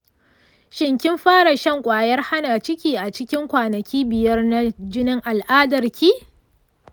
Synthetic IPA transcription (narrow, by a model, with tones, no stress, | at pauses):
ʃɪ˨ŋkʲɪ˦mɸaː˦ɽa˨ʃɐ˦ŋkʷʼaː˨jɐ˦rha˦naː˨t͡ʃɪ˦kʲiː˨ʔa˨t͡ʃɪ˦kʲɪ˦ŋkʷaː˨nɐ˨kʲiː˦bɪ˨jɐ˦rna˦d͡ʒɪ˦nɪ˦ŋʔa˨lʔaː˦dɐ˨rkʲʰiː˦